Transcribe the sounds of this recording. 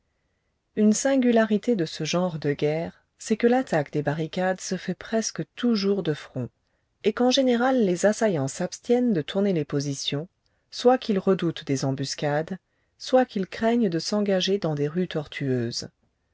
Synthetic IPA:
ynsɛ̃ɡʲylaʁit̪ed̪əsəʒɑ̃ʁd̪əɡʲɛːʁ | sɛkəlat̪akd̪ebaʁikad̪səfɛpχɛskət̪uʒuʁd̪əfχɔ̃ | ekɑ̃ʒeneʁalːezasajɑ̃sapst̪jɛnd̪ət̪ʰuʁnelepozisjɔ̃ | swakʰʲilʁəd̪ut̪d̪ezɑ̃byskad̪ | swakʲilkχɛɲd̪əsɑ̃ɡaʒed̪ɑ̃d̪eʁyt̪ɔʁt̪ʰyøːz

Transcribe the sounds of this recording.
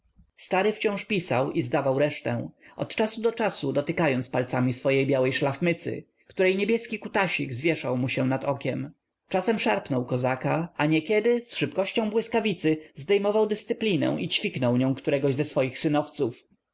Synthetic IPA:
st̪aɾɘft͡ɕɔ̃w̃ʂpʲisawizd̪avawɾɛʂt̪ɛ̰̃ʔɔ̰t̪t͡ʂasud̪ɔt͡ʂasud̪ɔt̪ɘkajɔnt̪spalt̪samʲisfɔjejbʲjawɛjʂlafmɘt̪sɘ̰ | kt̪uɾɛjɲebʲjɛskʲikut̪aɕiɡzvʲjɛʂawmuɕɛ̃nat̪ɔkʲɛm | t͡ʂasɛmʂaɾpnɔwkɔzakaaɲɛkʲɛd̪ɘsʂɘpkɔɕt͡ɕɔ̃bwɘskavʲit̪sɘzd̪ɛjmɔvawd̪ɘst̪sɘplʲinɛ̰̃w̃ʔit͡ɕfʲiknɔwɲɔ̃w̃kt̪uɾɛɡɔʑzɛsfɔjixsɘnɔft̪suf

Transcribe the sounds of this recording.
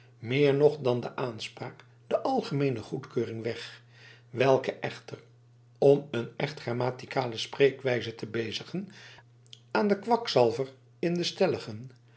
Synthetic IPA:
mɪːɹnɔχdɑndəʔaːnspraːk | d̥əʔɑlˠχəmejnəχutkøːrɪŋʋɛχ | ʋɛlˠkəʔɛχtər | ɔmənɛχtχraːmaːtikaːləsprejkʋɛjzətəbejzəχən | aːndəkʋɑksɑlˠvər | ɪndəstɛləχən

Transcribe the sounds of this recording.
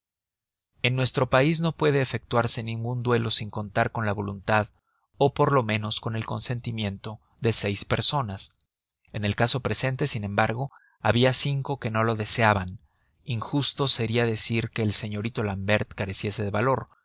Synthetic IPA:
e̞nːwe̞st̪ɾo̞paizno̞pwe̞ðe̞ːfe̞k̚t̪waɾse̞nĩŋɡund̪we̞lo̞siŋko̞nt̪aɾko̞nlaβo̞lunt̪að | o̞po̞ɾlo̞mẽ̞no̞sko̞ne̞lko̞nse̞nt̪imje̞nt̪o̞ | ðe̞se̞jspe̞ɾso̞nas | e̞ne̞lkaso̞pɾe̞se̞nt̪e̞sinẽ̞mbaɾɣo̞ | aβiasiŋko̞ke̞no̞lo̞ðe̞seaβan | iŋxust̪o̞se̞ɾiaðe̞siɾke̞ːlse̞ɲo̞ɾit̪o̞lambe̞ɾt̪kaɾe̞sje̞se̞ðe̞βalo̞ɾ

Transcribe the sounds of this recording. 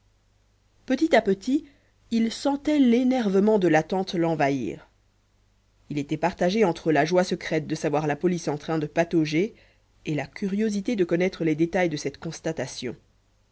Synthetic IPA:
pət̪it̪apət̪i | ilsɑ̃t̪ɛlenɛʁvəmɑ̃d̪əlat̪ɑ̃t̪lɑ̃vaḭːʁ | ilet̪ɛpaʁt̪aʒeɑ̃t̪χəlaʒwasəkχɛt̪̚d̪əsavwaʁlapɔlisɑ̃t̪χɛ̃d̪əpat̪oʒe | elakʲʰyʁjozit̪ed̪əkɔnɛt̪χəlɛd̪et̪ajd̪əsɛt̪kɔ̃st̪at̪asjɔ̰̃

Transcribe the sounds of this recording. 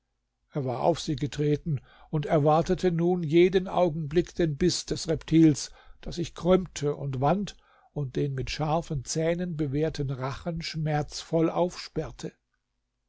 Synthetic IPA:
ʔeːɐvaːɐʔa̰ʊfz̥iːɡətʁ̥eːtn̩ | ʊntɛɐvaɐtətʰənuːnjeːdənʔa̰ʊɡŋ̩blɪkd̥eːnbɪsd̥ɛsʁɛptʰiːlsd̥asɪçkʁ̥ʏmtʰəʔʊntv̥ant | ʊnt̚d̥eːnmɪtʃaɐfənt͡sɛːnənbəveːɐtʰənʁaχənʃmɛɐt͡sfɔlʔaʊfʃpɛɐtʰə

